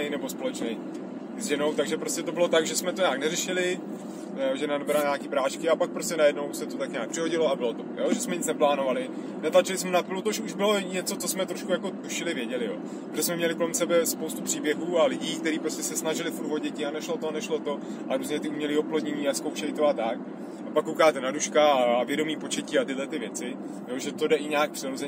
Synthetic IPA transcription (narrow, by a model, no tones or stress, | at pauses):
ɛjnɛbo̞spo̞lɛt͡ʃnɛj | zʒɛno̞wt̪aɡʒɛpɾoscɛt̪obɪlo̞t̪aɡʒɛsmɛt̪o̞ɲaːknɛrɛʃɪlɪ | ʒɛnadobɾalɲaːkiːpɾaːʃkɪapak̚pɾo̞stcɛnajɛdno̞wsɛt̪ot̪akɲaːkpr̥ɪɦo̞ɟɪloabɪlo̞t̪ojoʒɛsmɛɲɪt͡snɛplaːno̞valɪ | nɛt̪lat͡ʃɪlɪsmɛnapɪlut̪oʃuʒbɪlo̞ɲɛt͡so̞t͡sosmɛt̪ɾoʃkujako̞t̪uʃɪlɪvjɛɟɛlɪjo̰ː | poʒɛs̬mɛmɲɛlɪkolɛmsɛbɛspowst̪upr̥iːbjɛɦuːalɪɟiːk̚t̪ɛɾiːpɾoscɛsɛsnaʒɪlɪfuɾt̪vo̞ɟɛcɪanɛʃlot̪onɛʃlo̞t̪o̞ | ʔaɾuːzɲɛt̪ɪumɲɛliːoplodɲɛɲiːaskowʃɛlɪt̪oat̪ak̚ | apakːowkaːt̪ɛnaduʃkaːvjɛdo̞miːpo̞t͡ʃɛciːat̪ɪdlɛt̪ɪvjɛt͡sɪ | joːʒɛt̪odɛʔɪɲaːk̚pr̥ɪɾozɛɲ